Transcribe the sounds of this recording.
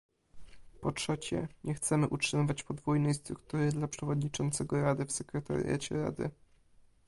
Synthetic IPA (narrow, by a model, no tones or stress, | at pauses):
pɔtʂɛt͡ɕɛ̰ɲɛxt̪sɛmɘʔutʂɘmɘvat͡ɕpɔd̪vujnɛjst̪ɾuk̚t̪uɾɘd̪lapʂɛvɔd̪ɲit͡ʂɔnt̪sɛɡɔɾad̪ɘfsɛkɾɛt̪a̰ɾʲḭja̰t͡ɕɛ̰ɾa̰d̪ɘ̰